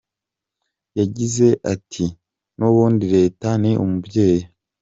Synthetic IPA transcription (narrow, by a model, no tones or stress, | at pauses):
jaɟize̞ʔatʰi | noβuːndiɾe̞ːtaniʔṵmubɟe̞ːja